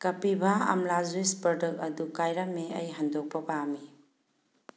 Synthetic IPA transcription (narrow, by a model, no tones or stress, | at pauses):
kɐpibaɐ̰mlazuispɾɔdɯk̚ɐdukajɾameɐjɦɐndok̚pɐpami